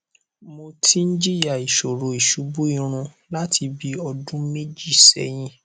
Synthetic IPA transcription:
mo˧tʰi˦n̩˦d͡ʒi˦ja˦˨i˨ʃo˨ɾo˨i˨ʃu˨˦bu˦i˧ɾ̃ũ˧ | la˦ti˧bi˦ɔ˧dũ˦me˦d͡ʒi˦˨sɛ̰˨˦j̃ĩ˧˦

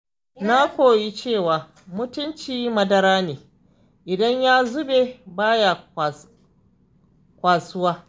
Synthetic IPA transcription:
na˦kʷoː˨ji˦t͡ʃeː˦˨waː˨ | mʊ˦tʊ˦nt͡ʃiː˦mɐ˦dɐ˦ɾaː˦neː˨ | ʔɪ˨dɐ˦ɲjaː˦zʊ˦be˨baː˦ja˨ | kʷaː˨sʊ˦waː˦

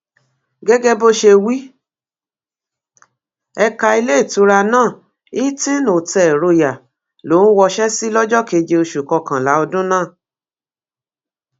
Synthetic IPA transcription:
ɡɛ˦ɡɛ˦bo˦ʃe˧wi˦ | ɛ˧ka˧i˧le˦i˦˨tu˨˦ɾa˧nãː˦˨ | i˦tĩ˦no˨tɛ˨ɾo˧ja˨ | lo˨˦n̩˦wɔ˧ʃɛ˦si˦lɔ˦d͡ʒɔ˦ke˧˨d͡ʒe˧o˧ʃu˨kɔ˧kã˨la˨˦ɔ˧dũ˦nãː˦˨

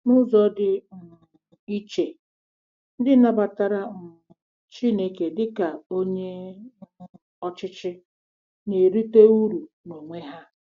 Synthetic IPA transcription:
nʊ˦zɔ˦dɪ˦m̩˨ | i˦t͡ʃe˨ | n̩˦dɪ˦na˦ba˨ta˦ɾa˦m̩˨t͡ʃi˦ne˦ke˨dɪ˦ka˨o˦ɲe˦ | ɔ˦t͡ʃɪ˦t͡ʃɪ˦ | ne˨ɾi˦te˦u˦ɾu˨ | no˨ŋʷe˦ɦa˦

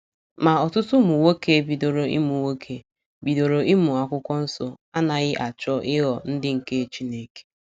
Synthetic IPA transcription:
ma˨ɔ˨tʊ˦tʊ˦mu˨wo˦ke˦bi˨do˨ɾo˨ḭ˦mu˨wo˦kʰe˨ | bi˨do˨ɾo˨ɪ˦mu˨a˨kʷʊ˦kʷɔ˦n̩˦so˨ | a˦na˨ɣɪ˦ʔa˨t͡ʃɔ˦ʔɪ˦ɣɔ˨n̩˦dɪ˦ŋ̩˨ke˦˨t͡ʃi˦ne˨ke̥˨

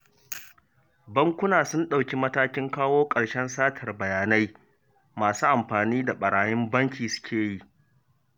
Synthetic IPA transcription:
bɐ˦ŋkʷʊ˦naː˨sʊ˦nɗa˨wkʲi˦mɐ˦taː˦kʲɪ˦ŋkaː˦woː˦kʼɐ˨ɽʃɛ˦nsaː˦tʰɐ˨rbɐ˨jaː˨na˦j | maː˨suː˦ʔa˨mɸaː˨niː˦da˨ɓɐ˨ɽaː˨jɪ˦mbɐ˦ŋkʲiː˨sʊ̥˦kʲʰeː˨ji˦ʔ

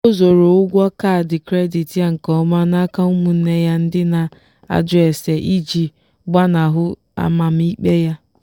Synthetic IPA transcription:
o˦zo˨ɾo˨ʊ˦ɡʷɔ˦ka˦˨dɪ˨kɾe˦di˨tja˦ŋ̩˨kɔ˦ma˦na˦ka˦ʊ˦mu˨n̩˦ne˦ja˦n̩˦dɪ˦na˨ | a̰˦d͡ʒʊ˦e˨se˨ʔi˦d͡ʒi˨ | ɡ͡ba˦na˨ɦʊ˦ | a̰˦ma˨m̩˦i˦k͡pe˦ja˦

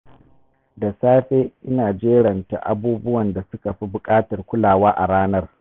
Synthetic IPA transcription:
da˨saː˦ɸeː˦ʔɪ˦naː˨d͡ʒeː˦ɽɐ˨nta̰˨ʔa̰˨buː˦bʊ˦wɐ˨nda˨sʊ˦ka˨ɸi˦bʊ˨kʼaː˦tɐ˨rkʷʊ˦laː˨waː˦ʔa˨ɽaː˦nɐ˦r

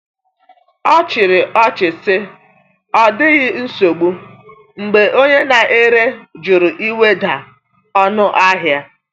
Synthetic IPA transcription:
ɔ˦t͡ʃɪ˨ɾɪ˨ʔɔ˦t͡ʃɪ˨sɪ˦ | ɔ˦dɪ˦ɣɪ˦n̩˦so˨ɡ͡bu˦ | ŋ͡m̩˨ɡ͡be˨ʔo˦ɲe˦na˨ʔe˦ɾe˦d͡ʒʊ˨ɾʊ˨ʔi˦we˦da˨ | ɔ˦nʊ˦ʔa˦ɦja˦

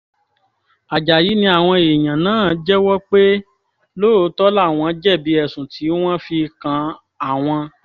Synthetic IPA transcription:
a˨d͡ʒa˨ji˨˦nĩ˧a˨w̃ɔ̃˧e˨j̃ã˨nãː˨˦˨d͡ʒɛ˦wɔ˦k͡pe˦ | lo˦˨o˧˦tɔ˦la˦˨w̃ɔ̃˧˦d͡ʒɛ˦˨bi˨˦ɛ˦˨sũ˨tʰi˨˦w̃ɔ̃˦fi˧kã˧ | a˦˨w̃ɔ̃˧

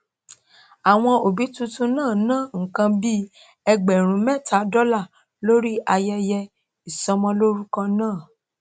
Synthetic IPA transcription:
a˨w̃ɔ̃˧o˨bi˨˦tũ˦tũ˧nãː˦˨nãː˦˨ŋ̩˨kã˧bi˦ | ɛ˧ɡ͡bɛ˨ɾ̃ũ˨˦mɛ˦˨tʰa˨˦dɔ˦la˦˨ | lo˦ɾi˦ʔa˧jɛ˧jɛ˧ | i˨sɔ˧mɔ̃˧lo˦ɾu˦kã˧nãː˦˨

